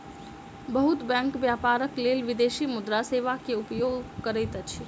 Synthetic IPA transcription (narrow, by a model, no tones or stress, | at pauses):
bəɦʊt̪bɛ̃ːŋkʋjaːpaːɾəkleːlʋɪd̪eːʃimʊd̪ɾaseːʋakeʊpjoːɡkəɾɛt̪ət͡ʃʰi